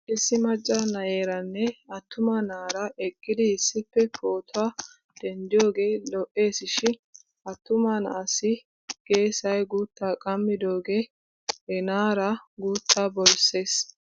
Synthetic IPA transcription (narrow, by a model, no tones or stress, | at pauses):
ʔɪsːɪmɐt͡ʃʼːɐnɐje̞ːɾɐnːɛɐt̪ːʊmɐnaːɾɐʔɛkʼːɪd̪ɪːsːɪpːɛpʰoːt̪ʰʊwaː | d̪̥ɛnd̪ɪjo̞ːɡe̞ːlɔʔːe̞ːsɪʃɪ | ɐt̪ːʊmɐnɐ̰ʔɐsɪ | ɡ̥e̞ːsɐjɡuːt̪ːaːkʼɐmːɪd̪o̞ːɡe | ɛnaːɾɐɡuːt̪ʰːaːbɔlse̞ːs